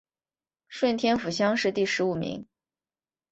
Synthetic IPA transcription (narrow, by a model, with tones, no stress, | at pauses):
ʂwə˥˩nt̪ʰjɛ˥nfu˨˩ɕjɑ˥ŋʂɻ̩˥˧t̪i˥˩ʂɻ̩˧˥u˨˩mḭ˧˥ŋ